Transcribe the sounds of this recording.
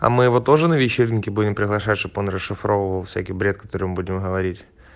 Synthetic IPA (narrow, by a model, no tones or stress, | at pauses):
ɐ̰mɨjɪvo̞t̪o̞ʐɨnəvʲɪt͡ɕːerʲnʲɪkʲɪbudʲɪmpɾʲɪɣlˠɐʂatʲʃt̪oponrəsʂɨfɾo̞vəvəlˠfʲsʲækʲijbɾʲe̞t̪̚kɐ̥t̪o̞ɾɨmbudʲɪmɦəvɐɾʲitʲ